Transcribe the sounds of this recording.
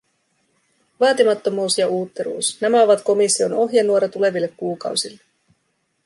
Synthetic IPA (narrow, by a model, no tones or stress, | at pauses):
ʋɑːt̪imɑt̪ːo̞muːsjɑuːt̪ːeɾṵːsnæmæo̞ʋɑt̪ko̞misːio̞no̞ɦjɑnuo̞ɾɑt̪ule̞ʋilːe̞kkːuːkɑ̰wsilːe